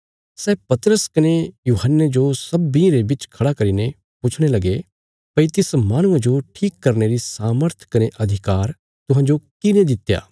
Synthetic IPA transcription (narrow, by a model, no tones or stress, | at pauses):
sɛːpɐt̪ɾəskɐnejuːɦənːed͡ʒosɐbːĩɾebɪt͡ʃkʰɐɽakɐɾiːne | pʊt͡ʃʰɽ̃elɐɡe | pɐit̪ɪsmaːɽ̃ʊ̃ãd͡ʒoʈʰiːkːɐɾneɾisaːməɾt̪ʰkɐneʔɐd̪ʱɪkaːɾ | t̪ʊɦãːd͡ʒokɪnẽd̪ɪt̪ja̰ː